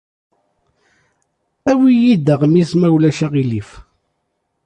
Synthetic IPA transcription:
æwijid̪əʁmismæwlæʃæʁilif

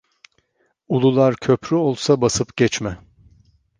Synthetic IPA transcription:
ulˠulˠaɾcʰøpʰɾyo̞lˠsabasɯpɟ̥ɛt͡ʃmɛ

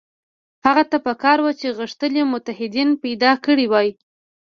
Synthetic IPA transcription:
haɣat̪apəkɑɾwat͡ʃeɣəʂt̪əlemʊt̪aɦɪd̪inpajd̪ɑkəɽiwɑj

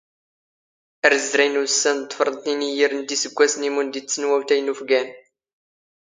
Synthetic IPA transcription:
əɾəzɾæjnusːænd̪ˤəfɾˤənt̪ˤinijiɾənd̪isəɡʷːæsnimund̪it͡sːənwæwt̪æjnufɡæn

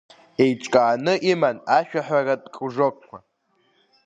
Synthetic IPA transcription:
e̞jʈ͡ʂʼkʼaːnɨʔimanaʃᶣaħʷᶣaradʼkʼuʐokkʷʰa̰

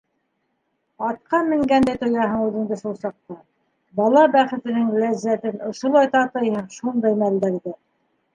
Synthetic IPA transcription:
ɑt̪̚qɑmɘ̆ŋɡænd̪æjt̪ŏjɑɦɤɴʉðɘ̆ŋd̪ɘʃulˠsɑq̚t̪ɑ | bɑlˠɑbæχɘ̆t̪ɘ̆nɘŋlæzːæt̪ɘnŏʃŏlˠɑjt̪ɑt̪ɤjhæmʃund̪ɑjmæld̪æɾðɘ

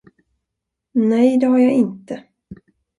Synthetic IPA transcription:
nɛjd̪ɛɦaɾjaɪnt̪ə

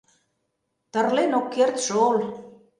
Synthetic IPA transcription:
t̪ə̆rlenokːert̪ʃool

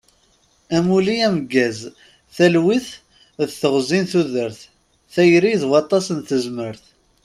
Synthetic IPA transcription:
æmuliæməɡːæz | θælwiθ | ðθəʁzinθuðəɾθ | θæjɾiðwɑt̪ˤːɑsənθəzməɾθ

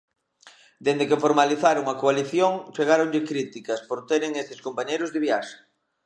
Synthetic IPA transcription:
d̪end̪ekefoɾmaliθaɾoŋɐkoaliθjoŋt͡ʃeɣ̞aɾoŋʎɪkɾit̪ikɐspoɾt̪eɾɪŋesɪskompaɲejɾʊzðeβiaʃḁ

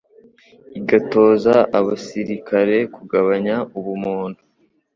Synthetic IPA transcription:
iɡato̞ːzaʔaβasiɾikʰaɾe̞kuɡaβaɲauβumuːndu

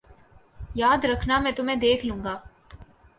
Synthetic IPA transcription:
jaːd̪ɾɐkʰnamɛ̃ːt̪ʊmẽd̪eːkʰlũːŋɡaː

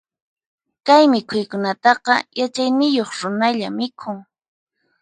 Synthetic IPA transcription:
kajmɪkʰʊjkʊnat̪ɑqɑ̰jat͡ʃajnɪjoχɾʊnaʎa̰mɪkʰʊŋ

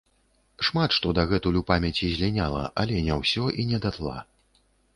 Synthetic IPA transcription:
ʂmat̪ʂt̪ɔd̪ɐɣɛt̪ulʲupamʲɛt͡sʲizʲlʲinʲalˠɐ̰ʔalʲɛnʲawsʲɔʔinʲɛd̪at̪lˠa̰

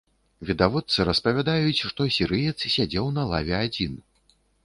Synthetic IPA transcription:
vʲid̪avɔt̪sɨɾɐspɐvʲad̪ajut͡sʲʂt̪ɔsʲiɾɨjɛt̪ssʲad͡zʲɛwnɐlˠa̰vʲɛad͡zʲin

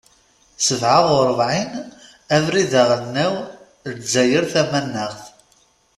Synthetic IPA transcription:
səvʕaʁʊɾˤvʕin | ævɾiðæʁəθniw | zæjəɾθæmænːəʁθ

